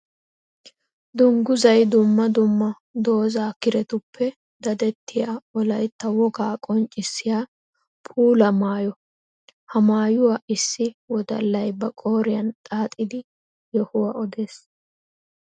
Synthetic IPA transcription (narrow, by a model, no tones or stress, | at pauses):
d̪ʊŋɡʊzɐjd̪ʊmːɐd̪ʊmːɐ | d̪o̞ːzaːkɪɾɛt̪ʊpːɛ | d̪ɐd̪ɛt̪ːɪjaːɔlɐjt̪ːɐwɔɡaːkʼɔnt͡ʃʼːɪsːɪjaː | pʰuːlɐmaːjɔ | hɐmaːjʊwaʔɪsːɪwɔd̪ɐ̰lːɐjbɐkʼo̞ːɾɪjɐnt̪ʼaːt̪ʼɪd̪ɪ | jɔhʊwɐɔd̪e̞ːs